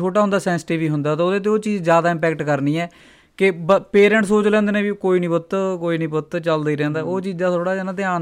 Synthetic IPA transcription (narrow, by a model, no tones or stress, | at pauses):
oːʈaːʊ̃nd̪aːsɛ̃ːnsɪʈiːʋiːɦʊnd̪aːt̪aoːd̪eːt̪̬eːoːt͡ʃiːzd͡ʒjaːd̪aːɪ̃mpɛːk̚ʈkəɾniːɛː | kɪbəpeːɾɛ̃ːɳʈsoːt͡ʃlɛ̃ːnd̪eːnẽːʋiːkoːiːnĩːbʊt̪ːkoːiːnĩːbʊt̪ːt͡ʃəld̪aːiːɾɛ̃ːnd̪aːoːt͡ʃiːzd̪aːt̪ʰoːɽaːd͡ʒenãːt̪eaː